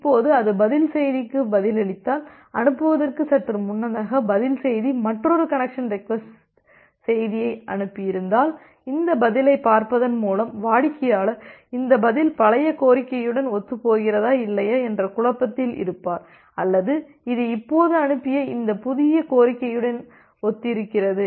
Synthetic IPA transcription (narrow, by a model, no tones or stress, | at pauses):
ɪpːoːðɯɐðɯbɐðɪlsɛjðɪkːɯbɐðɪlɛɭɪt̪ːaːl | ɐnɯpːɯʋɐðɐrkɯsɐʈrɯmʊnːɐðaːɣɐbɐðɪlsɛjðimɐʈrɔɾɯkɐɳɛkʂɐnrɪkʋɛsʈ | sɛjðɪjɐɪʔɐɳɯpːɪjɪɾɯnd̪aːl | ɪnd̪ɐbɐðɪlɐɪpːaːɾpɐðɐnmuːlɐmʋaːɻɪkːɐjaːlɐɪnd̪ɐbɐðɪlpɐlɐjɐkoːɾɪkːɐjɯɽɐnɔt̪ːɯpoːɣɪrɐðaːɪlːɐjɐːɛndrɐkʊɻɐpːɐt̪ːɪlʔɪ̰ɾɯpːaːɾ | ɐlːɐðɯ | ɪðɯɪpːoːðɯɐɳɯpːɪjɐɪnd̪ɐpʊðɪjɐkoːɾɪkːɐjɯɽɐn | ɔt̪ːɪɾɯkːɪrɐðɯ